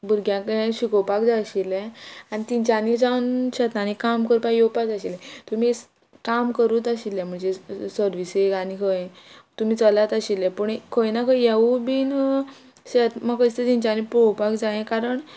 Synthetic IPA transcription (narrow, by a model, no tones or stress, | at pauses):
buɾɡjãkəẽɕikowpakd͡zaɕilɛ̃anit̪iɲt͡ɕanid͡zawnɕət̪ãnikamkəɾpajjopad͡zaɕilɛ̃t̪um̤i | kamkəɾut̪əɕilɛ̃m̤əɳd͡zesəɾʋisekanikʰə̃t̪um̤iːt͡səlat̪əɕilɛ̃pəɳkʰəjnakʰəjjaubiːn | ɕet̪makəst̪et̪iɲt͡ɕanipowpakd͡zajẽkaɾəɳ